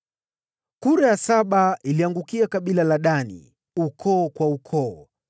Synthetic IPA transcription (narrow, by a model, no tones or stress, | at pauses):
kuɾajasaɓaʔiliaŋɡukiakaɓilalaɗanḭ | ukʰɔːkwaukʰɔː